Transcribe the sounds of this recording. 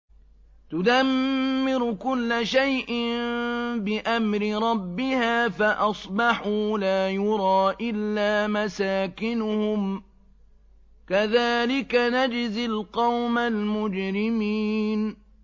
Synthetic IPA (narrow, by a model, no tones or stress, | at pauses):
t̪ʊd̪amːɪɾʊkʊlːaʃajʔɪmbɪʔamɾɪɾˤɑbːɪhaːfaʔɑsˤbɑħuːlaːjʊɾˤɑːʔɪlːaːmasaːkɪnʊhʊm | kaðaːlɪkanad͡ʒzɪlqɑwmalmʊd͡ʒɾɪmiːn